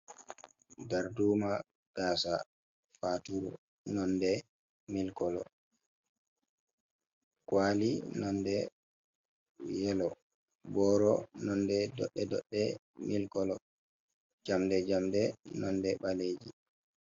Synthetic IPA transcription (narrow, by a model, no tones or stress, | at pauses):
daɾduːma | ɡ̥aːsa̰ | fatuɾ | nɔndɛ | milkɔlɔ̰ | kwalinɔndɛ | jɛlɔ | bɔːɾɔnɔndɛdɔ̰ɗːɛdɔɗːɛ | milkɔlɔ | d͡ʒamdɛd͡ʒamdɛnɔndɛɓaled͡ʒḭ